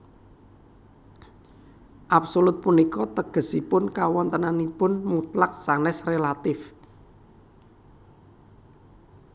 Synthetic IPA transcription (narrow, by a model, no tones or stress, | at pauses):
ʔapsolʊt̪̚punikɔt̪əɡ̥ə̤sipʊnkawɔnt̪ənanipʊnmut̪lak̚sanɛsrelat̪ɪf